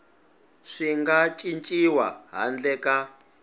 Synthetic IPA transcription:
ʂiŋɡat͡ʃʼint͡ʃʼiwa̰ɦa̰nd͡ɮɛka

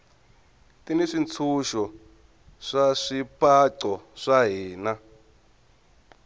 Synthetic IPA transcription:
tiniʂint͡sʰuʃɔ | ʂaʂipʼaǀɔʂaɦiːna

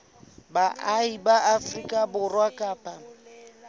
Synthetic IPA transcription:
baʔaibaʔafrikʼabʊrwakʼaːpʼa

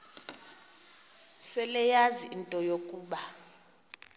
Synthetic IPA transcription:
sɛlɛjaziʔintʼɔjokʼuːɓa

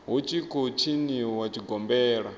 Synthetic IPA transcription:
ɦut͡ʃikɔt͡ʃʰiniwat͡ʃiɡʱɔmbɛːɺa

